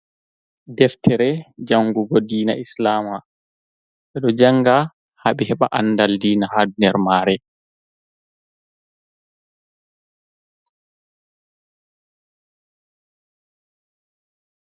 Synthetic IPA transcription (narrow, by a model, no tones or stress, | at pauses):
dɛftʰɛɾɛd͡ʒaŋɡuɡɔdiːna̰islaːma | ɓɛɗɔd͡ʒaŋɡa | haɓihɛɓaʔanːdaldiːnahadunɛɾmaːɾɛ